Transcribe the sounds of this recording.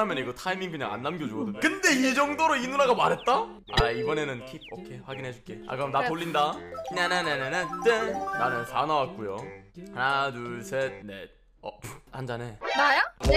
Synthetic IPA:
amjʌniɡʌtʰaimiŋkɯɲaŋa̰nːamɡjod͡ʑuɡʌdɯnkɯnde̞id͡ʑʌŋdoɾoinuɾaɡamaɾɦet̚t͈a | aibʌne̞nɯnkʰip̚okʰe̞ɸwaɡinɦe̞d͡ʑuk͈e̞a̰kɯʌmnatoɭːindanenenenenetenanɯnsa̰nawat̚k͈ujonadusʰene̞̰ | ʌphand͡ʑanenajo

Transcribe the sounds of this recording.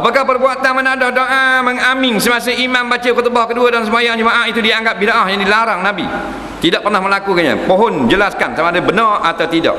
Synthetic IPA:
apakahpərbuat̪anmənadɔhdoʔaməŋamɪŋsəmas̬əimãmbat͡ʃəkət̪əbɔhkəduədans̬əmajaŋd͡ʒəmaʔahit̪udiaŋɡap̚bidaʔahjaŋdilaɾaŋnãbḭ | t̪idaʔ̚pərnahməlakukaɲa̰poɦɔnd͡ʒəlaskansamaːdabənarat̪awt̪ida̰ʔ̚

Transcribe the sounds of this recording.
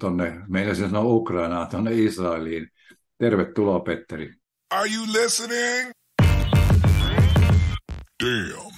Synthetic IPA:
t̪onːemeinæsinsɑnoukrɑinɑːt̪onːeisrɑeliːn | t̪erʋet̪tuloːpet̪ːæri | əɹjulɪsənɪŋ | d̥i

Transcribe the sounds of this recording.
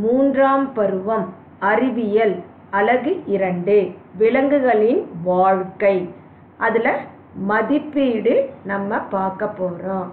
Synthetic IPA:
muːndraːmpɐɾɯʋɐm | ɐɾɪʋɪjɐl | ɐlɐɣɯʔɪɾɐɳɖɯʋɪɭɐŋɡɯɣɐɭɪnʋaːɻkɐɪ | ʔɐðɪlɐ | mɐðɪpːiːɽɯnɐmːɐpaːɾkɐpːoːrõː

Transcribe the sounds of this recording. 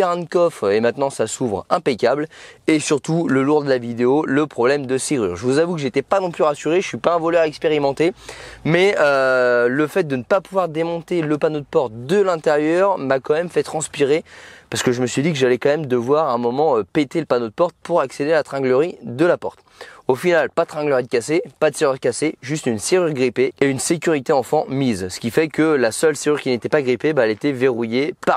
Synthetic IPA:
ɛʁɛ̃nkɔfemɛ̃t̪nɑ̃sasuvʁɛ̃pekʲablesyʁt̪uləluʁd̪əlavid̪eoləpχɔblɛmd̪əseʁy̰ːʁʒəvuzavukəʒet̪ɛpanɔ̃plyʁasyʁesɥipaɛ̃vɔlœʁaɛkspeʁimɑ̃t̪emɛøləfɛt̪̚d̪ənəpapuvwaʁd̪emɔ̃t̪eləpanod̪əpɔʁt̪̚d̪əlɛ̃t̪eʁjœʁmakɑ̃mɛmfɛt̪χɑ̃spiʁepaʁsə̥kəʒəməsɥid̪ikəʒalɛkɑ̃mɛmd̪əvwaʁɛ̃mɔmɑ̃øpet̪eləpanod̪əpɔʁt̪̚puʁaksed̪ealat̪χɛ̃ɡləʁid̪əlapɔʁt̪ | ofinalpad̪̚t̪χɛ̃ɡləʁid̪əkʲasepad̪əseʁyʁkaseʒyst̪ynseʁyʁɡʁipeeynsekʲyʁit̪eɑ̃fɑ̃mizsə̥kʲifɛkəlasœlseʁyʁkʲinet̪ɛpaɡʁipebaɛlet̪ɛveʁujepa

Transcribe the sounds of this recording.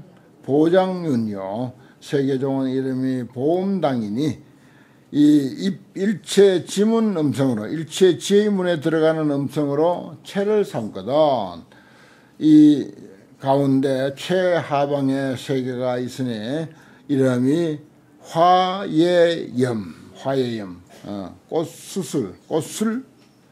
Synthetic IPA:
pod͡ʑaŋjuɲjo | sʰeɡed͡ʑoŋɯniɾɯmipoumdaŋiniː | p̚it͡ɕʰet͡ɕimunɯmsʰʌŋɯɾoiɭt͡ɕʰet͡ɕiimunetɯɾʌɡanɯnɯmsʰʌŋɯɾot͡ɕʰeɾɯɭsʰamk͈ʌdʌn | i | kaundet͡ɕʰwehabaŋesʰeɡeɡais͈ɯne | iɾʌmi | hwajejɯmhwajejɯm̰k͈os͈ʰusʰuɭk͈os͈ʰuɭ

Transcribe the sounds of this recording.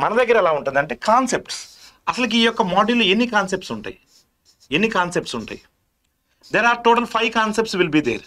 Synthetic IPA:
mɐnɐd̪ɐɡːɐɾɐɛlaːuɳʈund̪ɐɳʈeːkaːnsep̚ʈs | ɐsɐlɐk̬iiːjɔkːɐmoːɖiluenːikaːnsep̚ʈsuɳʈa̰ːji | enːikaːnsep̚ʈsuɳʈa̰ːji | d̪eːɾaːɾʈoːʈɐlpʰɐjʋkaːnsep̚ʈsʋilbiːd̪ḛːɾ

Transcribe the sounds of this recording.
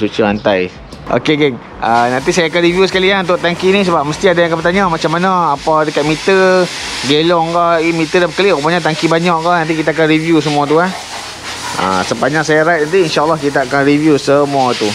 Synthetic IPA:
sut͡ʃəant̪aj | ʔo̰keɡɛŋ | ʔanãnt̪̬isajaːkanɾivjusə̥kalianunt̪ʊʔt̪aŋkinĩs̬əbap̚məst̪iadajãŋkapət̪aɲamat͡ʃamːanaːpadəkat̪̚mit̪ə | ɡelɔŋkɔimit̪ədapəkəlikupaɲat̪aŋkibaɲaʔkaʔnant̪̬ik̬it̪aak̬anɾivjus̬əmũat̪̬uah | ʔa̰səpaɲaʔsajaɾajt̪̚nant̪̬iinʃaʔalːɑhkit̪aʔakanɾivjusəmuat̪u

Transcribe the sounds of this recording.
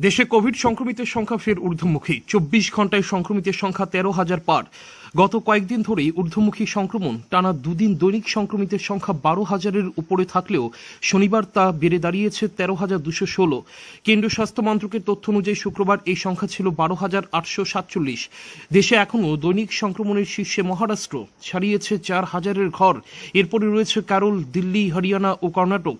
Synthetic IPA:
d̪eʃekobʱiɖʃɔŋkɾomit̪eɾʃɔŋkʰafeɾuɾd̪ʱomukʰit͡ɕobːiʃɡʱɔɳʈaeʃɔŋkɾomit̪eɾʃɔŋkʰat̪ɛɾoɦad͡ʑaɾpaɾ | ɡɔt̪okɔek̚d̪ind̪ʱoɾeuɾd̪ʱomukʰiʃɔŋkɾomonʈanad̪ud̪ind̪ojnikʃɔŋkɾomit̪eɾʃɔŋkʰabaɾoɦad͡ʑaɾeɾupoɾet̪ʰakleoʃonibaɾt̪abeɾed̪aɾijet͡ɕʰet̪ɛɾoɦad͡ʑaɾd̪uʃoʃolokenɖ̪ɾioʃast̪ʰomant̪ɾokeɾt̪ot̪ʰːoonud͡ʑaiʃukɾobaɾejʃɔŋkʰat͡ɕʰilobaɾoɦad͡ʑaɾaʈʃoʃat̪t͡ɕolːiʃd̪eʃeɛkʰonod̪ojnikʃɔŋkɾomoneɾʃiʃːemɔɦaɾaʃʈɾo̰ʃʰaɽijet͡ɕʰet͡ɕaɾhad͡ʑaɾeɾɡʱɔɾeɾpɔɾeɾoet͡ɕʰekɛɾold̪ilːiɦəɾianaʔokɔɾnaʈok

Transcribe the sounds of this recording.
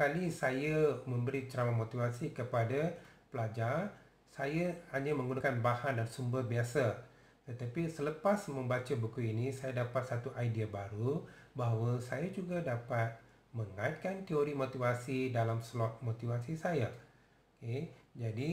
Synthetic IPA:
kalisajamə̃mbəɾit͡ʃəɾawamot̪ivasikəpadapəlad͡ʒar | sajahaɲamə̃ŋɡunakanbahandansumbərbiasa | t̪ət̪apisələpasmə̃mbat͡ʃabukuinisajadapat̪̚sat̪uʔajdiabaɾubaɦawəsajad͡ʒuɡadapat̪̚ | məŋait̪̚kant̪ioɾimot̪ivasidalamslɔt̪̚mot̪ivasisaja | ked͡ʒadi

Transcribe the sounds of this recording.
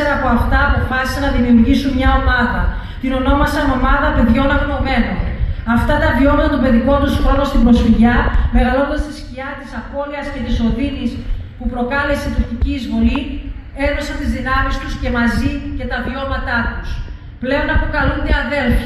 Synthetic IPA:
eɾɐːpo̞ɐft̪ɐːpo̞fɐsi̥sɐnɐðimiuɾʝisunmɲɐo̞mɐðɐ | t̪ino̞no̞mɐsɐno̞mɐðɐpe̞ðʝo̞nɐɣno̞me̞no̞nɐft̪ɐt̪ɐvio̞mɐt̪ɐt̪obe̞ðiko̞nt̪usxɾo̞no̞st̪ibɾo̞sfiʝɐme̞ɣɐlo̞nd̪ɐst̪isciɐt̪isɐpo̞liɐsce̞t̪iso̞ðinispupɾo̞kɐle̞seit̪uɾçiciːzvo̞li | e̞ðo̞sɐnt̪izðinɐmist̪usce̞mɐzice̞t̪ɐvio̞mɐt̪ɐt̪us | ple̞o̞nɐpokɐlund̪eɐðe̞lfɐ

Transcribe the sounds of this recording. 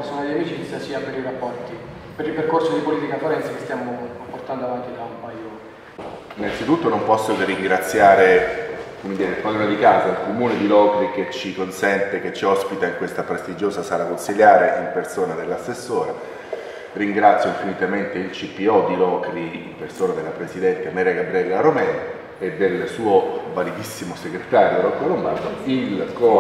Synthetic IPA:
esoːnad̪iamiːt͡ʃisasiːapeɾirapːɔrt̪i | peɾilperkorsod̪ipoliːt̪ikafoɾɛnt̪sakest̪jaːmoport̪and̪oavant̪id̪ampajoːn | inːansit̪ut̪ːonompɔsːoriŋɡɾat̪sːjaːɾekomed̪iːɾefad̪unad̪ikaːzailkomuːned̪ilɔːkɾiket͡ʃːikonsɛnt̪eket͡ʃːiɔspit̪aiŋkwest̪apɾest̪id͡ʒoːzasaːɾakonsiljaːɾeʔimpersoːnad̪elːasːesːoːɾa | riŋɡɾat̪sːjoiɱfinit̪ament̪eilt͡ʃipːiɔd̪ilɔːkɾiimpersoːnad̪elːapɾesid̪ɛnt̪eamɛːɾaɡabɾiɛlaromɛːna | ed̪ːelsuːovalid̪isːimoseɡɾet̪aːɾjoɾɔkːolombard̪oilkɔ

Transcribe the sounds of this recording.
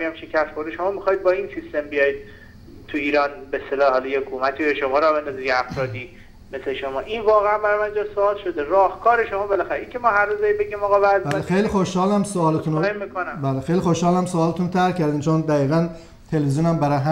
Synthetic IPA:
ijæmʃecʰæst̪xoɾd̪eʃomɒːmixɒjd̪̚bɒːinsist̪embijɒjid̪̥̚ | t̪ʰuiːɾɒːnbest̪elɒːhɒːlɒjeokʰumæt̪ʰiojeʃomɒɾɒbend̪ɒziɡeæfɾɒːd̪i | mesleʃomɒːʔinvɒːɣeæmbæɾɒmænd͡ʒɒːsoɒːlʃod̪eɾɒːhkʰɒːɾeʃomɒːbelæxæɾeʔincʰemɒːɦæɾːuzd̪æibeɡimɒːɣɒvæzbælexejlixoʃhɒːlæmsoːlet̪unomːikʰonæbæːlexejlixoʃhɒːlæmsoɒːlet̪unt̪ʰæɾcʰæɾd̪int͡ʃʰond̪æɣiːɣæn | t̪ʰe̞lvizjuːnæmbæɾɒjɦæ

